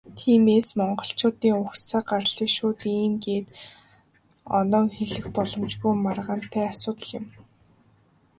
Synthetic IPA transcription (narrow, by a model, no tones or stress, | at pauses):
t̪ʰiːmeːsmɔɴɢɞ̆ɬt͡ɕʊːt̪iːŋʊxt͡sʰaːɢarɮiːkʃʊːt̪iːmɡeːt̪ | ɔ̰nɔːŋxeɮɘ̆xpɔɮɞ̆mt͡ɕɣujmarʁə̆n̥t̪ʰæːasʊːt̪ə̆ɮɪ̆m